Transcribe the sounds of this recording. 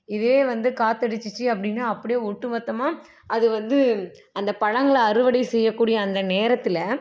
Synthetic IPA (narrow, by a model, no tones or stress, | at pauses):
ɪðeeːʋɐnd̪ɯkaːt̪ːɐɽɯt͡ʃːɯt͡ʃːɯɐp̬ːɐɽɪnːaːɐpːɐɽɪjoːʊʈːɯʋɐt̪ːɐmaː | ɐðɯʋɐnd̪ɯ | ɐnd̪ɐpɐɻɐŋɡɐɭɐɾɯʋɐɽɐsɛjːɐkːuːɽɪjɐːnd̪ɐneːɾɐt̪ːɪlɐ